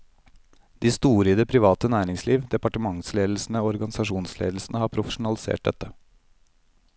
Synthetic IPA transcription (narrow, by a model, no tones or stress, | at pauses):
d̪iːst̪uːɾəd̪ɛpʰɾɪʋɑːt̪ənæːɾɪŋsliːʋd̪ɛpɑʈəmɑŋsleːd̪l̩sn̩əoːɔɾɡɑnɪsɑʂuːnslḛːd̪l̩sn̩əhɑːpʰɾʊfə̥ʂʊnɑlɪsḛːʈ̚d̪ɛ̰t̪ːə